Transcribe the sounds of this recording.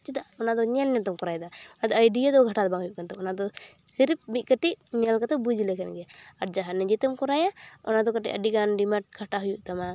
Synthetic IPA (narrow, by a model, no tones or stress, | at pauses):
t͡ʃid̪aʔɔnad̪ɔɲɛlɲɛt̪ɔmkɔɾajd̪aɔnad̪ɔajɖiad̪ɔɡʱaʈad̪ɔbaŋɦujuʔkant̪ɔɔnad̪ɔ | siɾip̚biʔ̚kəʈiʔɲɛlkat̪ɔbud͡ʒilɛkʰɛnɡɛaaɾd͡ʒaɦanːɛd͡ʒit̪əmkɔɾajaɔ̰nad̪ɔkəʈḭʔəɖiɡanɖimaʈ̚ɡʰʱaʈaɦujuʔt̪ama